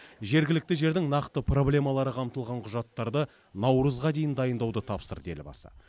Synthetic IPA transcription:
ʒe̞ɾɡʲɪlɪk̚t̪ɪʒe̞ɾd̪ɪŋnɑqt̪əpro̞blʲe̞mɑlˠɑɾəqʰɑmt̪əlˠʁɑɴqʰʊʒɑt̪ːɑɾd̪ə | nɑwɾəzʁɑd̪e̞jɪnd̪ɑjənd̪ɑwd̪ət̪ʰɑpsə̰ɾd̪e̞lɪbɑ̰sə̰

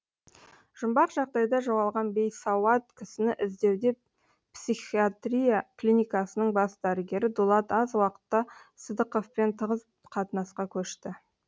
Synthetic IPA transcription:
ʒ̥ʊmbɑqʒɑqd̪ɑjd̪ɑʒoʁɑlˠʁɑnbe̞jsɑwɑt̪̚kʲʰɪsɪnɪʔɪzd̪e̞wd̪e̞ | psiχiat̪rʲijaklʲinʲijkɑsənəɴbɑsd̪æɾɪɡʲe̞ɾɪd̪ulˠɑt̪ɑzwɑqə̥t̪ːɑsəd̪əqofpent̪ʰəʁəz | qʰɑt̪ənɑsqɑkʲʰɵʃt̪ɪ

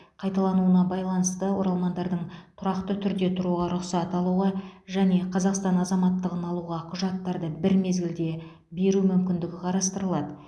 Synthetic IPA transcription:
qʰɑjt̪ɑlˠɑnuənɑbɑjlˠɑnəst̪əwo̞ɾɑlˠmɑnd̪ɑɾd̪əɴt̪ʰʊɾɑqt̪ət̪ʰʏɾd̪e̞t̪ʰʊɾuʁɑɾʊqsɑt̪ɑlˠuʁɑʒæne̞qʰɑzɑqst̪ɑnɑzɑmɑt̪ːəʁənɑlˠuʁɑqʰʊʒɑt̪ːɑɾd̪əbɪɾme̞zɡʲɪld̪e̞ | be̞ɾumʏmkʲɪnd̪ɪɡʲɪqʰɑɾɑst̪əɾəlˠɑd̪ə

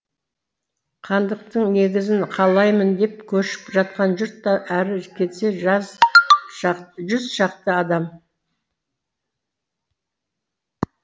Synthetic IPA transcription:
qʰɑnd̪əq̚t̪əɴne̞ɡʲɪzɪɴqʰɑlˠɑjmənd̪e̞p̚kʲʰɵʃɪ̥pʒɑt̪̚qɑnʒʏɾt̪ːɑʔæɾɪkʲʰe̞t̪se̞ʒz | ʒʏzʃɑqt̪əɑd̪ɑm

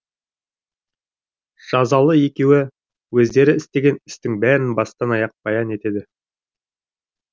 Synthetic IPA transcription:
ʒ̥ɑzɑlˠəje̞kʲe̞wɪ | wɵzd̪e̞ɾɪɪst̪e̞ɡʲe̞nɪst̪ɪŋbæɾɪnbɑst̪ɑnɑjɑq̚b̥ɑjɑne̞t̪e̞d̪ɪ

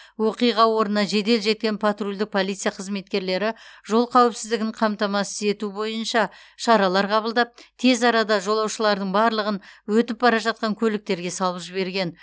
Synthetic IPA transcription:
wo̞qijʁɑwo̞ɾənɑʒe̞d̪e̞lʒe̞t̪̚kʲe̞npʰat̪rulʲd̪ɪk̚pʰo̞lˠijt̪sɨjaqʰəzme̞t̪̚kʲe̞ɾle̞ɾɪʒo̞lˠqʰæwɪpsɪzd̪ɪɡʲɪɴqʰɑmt̪ɑmɑsɪe̞t̪ubo̞jənʃɑ | ʃɑɾɑlˠɑɾqʰɑβəlˠd̪ɑp̚t̪ʰe̞zɑɾɑd̪ɑʒo̞lˠɑwʃəlˠɑɾd̪əɴbɑɾlˠəʁənwɵt̪ɪp̚bɑɾɑʒɑt̪̚qɑŋkʲʰɵlɪk̚t̪e̞ɾɡʲe̞sɑlˠəpʒɪβe̞ɾɡʲe̞n

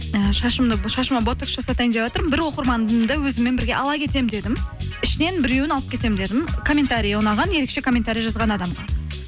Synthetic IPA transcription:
əʃɑʃəmd̪əʃɑʃəmɑbo̞t̪ekʃɑsɑt̪ɑjɪnd̪ewɑt̪əɾmbɪɾwo̞qəɾmɑnd̪əmd̪əwɵzɪmːe̞nbɪɾɡʲe̞ʔɑlˠɑkʲʰe̞t̪e̞md̪e̞d̪ɪmɪʃɪne̞nbɪɾe̞wɪnɑlˠəpkʲʰe̞t̪e̞mɪnd̪e̞d̪ɪmkʰo̞mʲe̞t̪aɾʲijonɑʁɑnje̞ɾe̞kʃe̞kʰo̞mʲːent̪aɾʲijɑʒɑzʁɑnɑd̪ɑmɑ

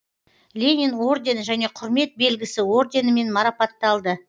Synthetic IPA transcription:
lʲe̞nʲino̞rd̪ʲe̞nʒæne̞qʰʊɾme̞t̪̚be̞lɡʲɪsɪwo̞rd̪ʲe̞nəme̞nmɑɾɑpɑt̪ːɑlˠd̪ə

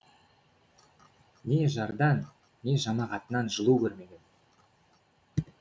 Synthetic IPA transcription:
ne̞ʒɑɾd̪ɑnː | e̞ʒɑmɑʁɑt̪ənɑnʒəlˠukʲʰɵɾme̞ɡʲe̞n

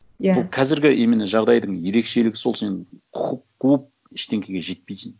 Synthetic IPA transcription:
jbʊlˠqʰɑzɪɾɡʲɪʔe̞mɪneʒɑʁd̪ɑjd̪əɴje̞ɾe̞kʃe̞lɪɡʲɪ̥so̞lˠsenqʰʊqəp̚kʰɵp̚ | ɪʃt̪ʰe̞ŋʲkʲʰe̞ɡʲeʒe̞t̪̚pejsɪn

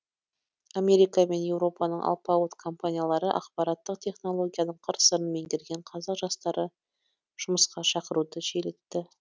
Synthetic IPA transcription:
amʲe̞ɾijkame̞nje̞wɾo̞pɑnəɴʔɑ̰lˠpɑot̪kʰo̞mpanʲijalˠɑɾəʔɑ̰qpɑɾɑt̪ːəqt̪ʲʰe̞χno̞lˠo̞ɡʲijanəɴqʰəɾsəɾənme̞ŋkʲʰɪɾɡʲe̞ɴqʰɑzɑqʒɑst̪ɑɾə | ʒ̥ʊməsqɑʃɑqəɾud̪əʃelet̪ːɪ

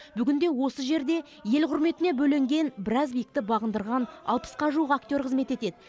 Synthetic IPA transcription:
bʏɡʲɪnd̪e̞wo̞səʒe̞ɾd̪e̞ | je̞lqʰʊɾme̞t̪ɪne̞bɵle̞ŋɡʲe̞nbɪɾɑzbijɪk̚t̪ɪbɑʁənd̪əɾʁɑnɑ̰lˠpə̥sqɑʒuwəqak̚t̪jo̞rqʰəzme̞t̪e̞t̪e̞d̪ɪ

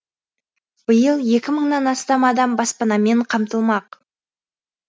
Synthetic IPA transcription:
b̥əjəlˠje̞kʲɪməɴnɑnɑst̪ɑmɑd̪ɑmbɑspɑnɑme̞ɴqʰɑmt̪əlˠmɑq

